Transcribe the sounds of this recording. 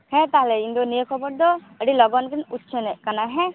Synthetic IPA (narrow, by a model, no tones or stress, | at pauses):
hɛ̃t̪aɦlɛind̪ɔniekʰɔbɔɽd̪ɔ | ɛɽilɔɡɔnkɛnut̪t͡ʃʰɛnɛʔkanaɦɛ̃